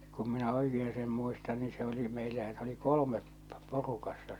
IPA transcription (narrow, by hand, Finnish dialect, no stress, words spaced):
kum minæ oikeː seːm muistɑn ni se oli meilːæ jɑ se oli kolŏmep porukɑsːɑ